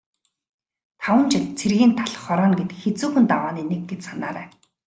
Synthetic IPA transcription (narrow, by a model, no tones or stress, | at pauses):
t̪ʰawə̆nt͡ɕʰɪ̆t̪t͡sʰerɣiːnt̪ʰaɮɞ̆χːɔɾɔːnɡet̪xet͡suːxɘ̆nt̪awaːniːneɡ̚ɡet͡ɕsanaːɾæ̰ː